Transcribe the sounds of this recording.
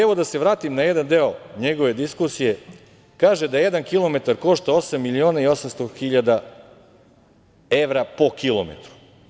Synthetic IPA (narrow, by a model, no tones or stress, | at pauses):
eʋo̞d̪ase̞ʋɾaːt̪imnaje̞d̪and̪e̞oɲe̞ɡo̞ʋe̞d̪iskusije̞ | kaːʒed̪aeje̞d̪ankilo̞me̞t̪aɾko̞ʃt̪ao̞samːilioːnaio̞samst̪oxiʎad̪a | e̞ʋɾapo̞kilˠo̰mḛt̪ɾu̥